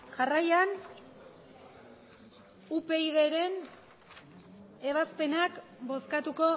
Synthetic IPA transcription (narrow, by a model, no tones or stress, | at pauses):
ʝarajan | upe̞iðe̞ɾe̞n | e̞β̞aspe̞nakbo̞skat̪uko̞